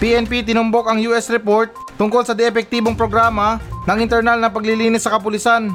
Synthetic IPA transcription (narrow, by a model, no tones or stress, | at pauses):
piʔɛnpit̪ɪnʊmbo̞kɐŋjuːʔɛsɾɛpo̞ɹt̪̚ːʊŋkolsɐd̪ɛɛpɛk̚t̪iːboŋpɾoɡɾaːmɐnɐŋɪnt̪ɛɾnalnɐpɐɡlɪliːnɪsːɐkɐpʊlɪsan